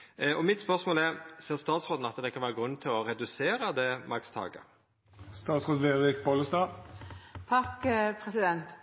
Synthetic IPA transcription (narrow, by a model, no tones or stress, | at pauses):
ɔmɪt̪spœʁsmoːlɛʁseːʁst̪ɑːt̪sʁoːd̪n̩ɑt̪d̪ɛkʰɑnʋæːɾəɡɾʉnːt̪ʰɪlɔɾɛd̪ʉseːɾəd̪ɛmʔɑkst̪ʰɑ̰ːɡə̰ | st̪ɑːt̪sʁot̪ʋeɪkbɔləst̪ɑː | t̪ʰɑkːpʰɾɛsɪd̪ɛnt̪